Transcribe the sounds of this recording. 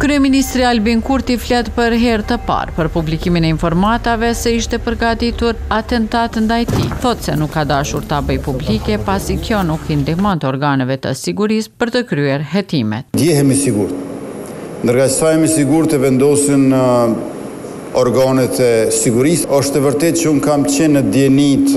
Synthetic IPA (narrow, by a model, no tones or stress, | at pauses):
kɾyɛminist̪ɾialbiŋkuɾt̪iflat̪pəɾɦɛɾt̪əpa̰ɾpəɾpublikiminɛinfɔɾmat̪avɛsɛiʃt̪ɛpəɾɡat̪it̪uɾat̪ɛnt̪at̪nd̪ajt̪ḭθɔt̪sɛnukʰːad̪aʃuɾt̪əabəjpublikɛpasikjɔnukind̪imɔnt̪əɔɾɡanɛvɛt̪ə̰siɡuɾispəɾt̪əkɾyɛɾɦɛt̪imɛ̰t̪̚d̪jɛɦɛmisiɡuɾt̪ɛ | nd̪əɾɡasajamisiɡuɾt̪ɛvɛnd̪ɔsinə | ɔɾɡanɛt̪ɛsiɡuɾisɔʃt̪ɛvəɾt̪ɛt̪̚t͡ʃəunkamt͡ɕɛnːəd̪jɛnit̪